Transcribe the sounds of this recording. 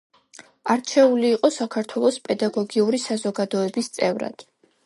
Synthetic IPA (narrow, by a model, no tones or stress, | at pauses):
aɾt͡ʃʰɛuliːqʼɔsakʰaɾt̪ʰwɛlˠɔspʼɛd̪aɡɔɡiuɾisazɔɡad̪ɔɛbist̪sʼɛvɾa̰d̪̥